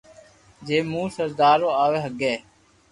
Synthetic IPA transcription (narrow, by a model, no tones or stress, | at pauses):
d͡ʒeːmũːsəɾd̪aːɾõːaːʋeːɦəɡeː